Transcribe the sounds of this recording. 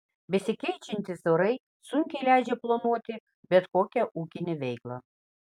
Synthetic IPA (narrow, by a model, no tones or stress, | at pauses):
bʲɪsʲɪkʲɛɪt͡ʃʲɪnʲt̪ʲɪsoɾɐɪ | suŋʲkʲɛɪlʲæɪd͡ʒʲɛplˠonuɔt̪ʲɪ | bʲɛt̪koːkʲɛʔuːkʲɪnʲeʋʲɛɪklˠɐ